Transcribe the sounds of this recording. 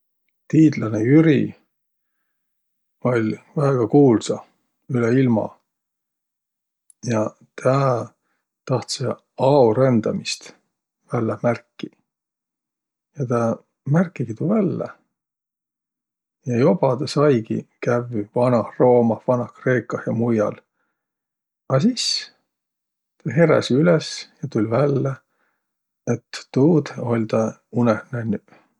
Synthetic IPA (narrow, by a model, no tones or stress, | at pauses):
t̪iːd̪lɑnejyɾḭ | o̞lʲvæeɡ̥ɑkuːlsɑ | yleilmɑ̰ | jɑ | t̪ʰæː | t̪ɑht̪se | ɑuɾend̪̥ɑmist̪ | vælːemærkːi | jɑt̪æ | mærkːˑiɡ̥it̪uvælːḛ | jɑjo̞b̥ɑd̪ɑsɑjɡḭkævivɑnɑhro̞ːmɑhvɑnɑhkre̞ːkːˑɑhjɑmujɑ̰l | ɑsis | t̪ɑɦe̞ɾḛsiylɛsjɑt̪ulʲvælːe | et̪ːuːd̪o̞lʲt̪ɑunehneny